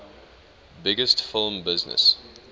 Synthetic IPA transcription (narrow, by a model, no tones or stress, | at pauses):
bɪɡəstfɪlˠmbɪznə̰s